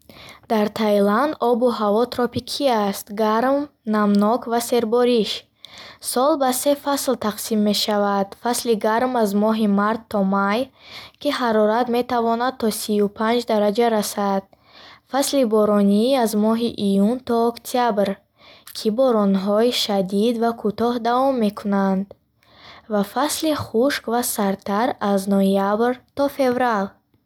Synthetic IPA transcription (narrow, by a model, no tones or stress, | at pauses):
d̪̥aɾt̪ʰajland̪ɔbuɦavɔt̪ʰɾɔpikʰiast̪ɡaɾmnamnɔkvase̞ɾbɔɾiʃ | sɔlbase̞faslt̪ʰaqsimːe̞ʃavad̪̥fasliɡaɾmazmɔɦimaɾt̪ʰːɔmajkʲʰiɦaɾɔɾat̪me̞t̪avɔnad̪̚t̪ʰːɔsiupʰand͡ʒd̪aɾad͡ʒaɾasad̪̥̚ | faslibɔɾɔniːazmɔɦiʔijunt̪ʰɔːkt̪ʰiabɾ | kʰibɔɾɔnɦɔiʃad̪id̪vakʰut̪ɔɦd̪avɔmːe̞kʰunand̪ | vafasliχuʃkvasaɾt̪aɾaznojabɾt̪ɔfe̞vɾal